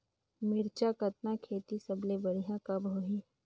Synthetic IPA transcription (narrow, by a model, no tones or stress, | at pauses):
mɪɾt͡ʃakət̪nakʰeːt̪isɐblebəɽ̤ijãkɐbʱoːɦi